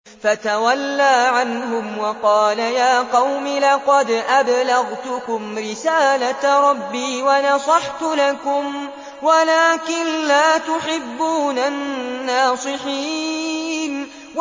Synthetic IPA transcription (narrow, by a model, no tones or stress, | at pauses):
fat̪awalːaːʕanɦʊmwɑqɑːlajaːqɑwmilɑqɑd̪ʔablaɣt̪ʊkʊmɾɪsaːlaɾˤɑbːiːwanɑsˤɑħt̪ʊlakʊm | walaːkɪnlaːt̪ʊħɪbːuːnanːaːsˤɨħiː | n | w